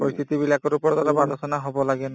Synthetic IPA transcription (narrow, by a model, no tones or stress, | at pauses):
poɹist̪ʰit̪ibilakɔɾupɔd̪aɾabalɔsɔnaɦobɔlaɡɛn